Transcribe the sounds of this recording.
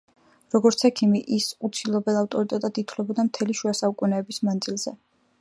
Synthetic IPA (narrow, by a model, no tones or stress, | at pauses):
ɾɔɡɔɾt̪sʰɛkʰimiʔisut̪sʰilˠɔbɛlˠaft̪ʼɔɾit̪ʼɛt̪ʼad̪it̪ʰwlɛbɔd̪amt̪ʰɛliʃuasaukʼunɛːbismand̪zilˠz̥ɛ